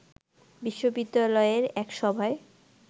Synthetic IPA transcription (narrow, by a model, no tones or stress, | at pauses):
biʃːobid̪ːalɔeɾɛkʃɔbʱae